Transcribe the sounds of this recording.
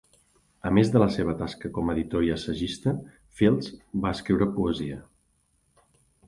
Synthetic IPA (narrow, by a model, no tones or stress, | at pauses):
əmezðələseβ̞ət̪askəkɔməðit̪oɾjəsəʒist̪ə | filˠzbaəskɾiwɾəpuəziə